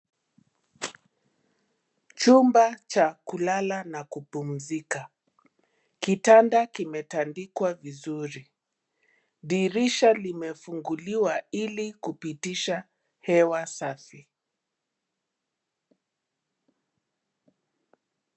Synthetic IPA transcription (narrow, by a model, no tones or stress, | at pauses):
t͡ʃumbat͡ʃakulalanakupum̩zika | kitandakimɛtandikwavizuɾi | ðiɾiʃalimɛfuŋɡuliwailikupitiʃa | hɛwasafi